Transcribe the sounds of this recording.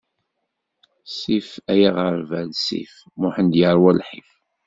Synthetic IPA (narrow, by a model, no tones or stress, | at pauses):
sifæjaʁəɾˤvælsḭf | mʊħənd̪jəɾˤwælħif